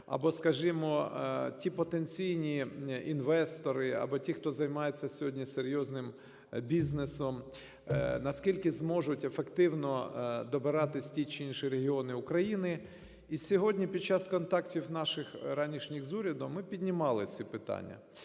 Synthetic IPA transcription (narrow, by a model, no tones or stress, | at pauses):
ɐ̰bɔskɐʒɪmɔtʲipɔt̪ent͡sʲijnʲiinʋɛst̪ɔɾɪɐ̰bɔtʲixt̪ɔzɐjmɑjet͡sʲːɐsʲɔɦɔdʲnʲiseɾʲjɔznɪm | bʲiznesɔm | nɐskʲilʲkɪzmɔʒʊtʲefekt̪ɪwnɔd̪ɔbɪɾɑt̪ɪsʲtʲit͡ʃɪinʃiɾeɦʲiɔnɪʊkɾɐjinɪ | isʲɔɦɔdʲnʲipʲid̪̚t͡ʃːɑskɔnt̪ɑktʲiwnɑʃɪxɾɑnʲiʃnʲixzuɾʲɐd̪ʊmɪpʲidʲnʲɪmɑlˠɪt͡sʲipɪt̪ɑ̰nʲːɐ̰